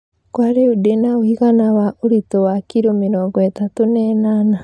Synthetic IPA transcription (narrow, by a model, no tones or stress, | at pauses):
kwaɾeudenaoiɣanawaʔoɾitowakiɾominɔɡwɛtatonɛnana